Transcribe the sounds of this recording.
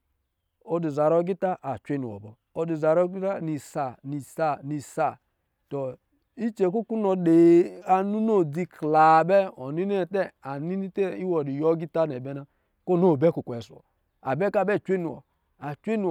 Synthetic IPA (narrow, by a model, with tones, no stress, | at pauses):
o˨di˨za˨ɾɔ˦ɡi˦ta˦ʔa˨t͡ʃʷe˦ni˨ɔ̰˨bɔ˨ | o˨di˨za˨ɾɔ˦ɡi˦ta˦ni˨sa˨ni˨sa˨ni˨sa˨ | tɔ˨ | i˦t͡ʃe˨˦ku˦ku˦nɔ˨de˨a˨nu˦no˦˨d͡zi˦kla˨bɛ˦ɔ˨ni˦ne˦˨tɛ˦a˨ni˦ni˦te˦i˦wɔ˨di˨jɔ˦ɡi˦ta˦nɛ˨bɛ˦na˦ | ko˦˨no˦˨bɛ˦ku˨kʷɛ˨su˨ɔ̰˨ | a˨bɛ˦ka˦˨bɛ˦˨t͡ʃʷe˦nu˨wɔ̰˨ | a˨t͡ʃʷe˦nu˨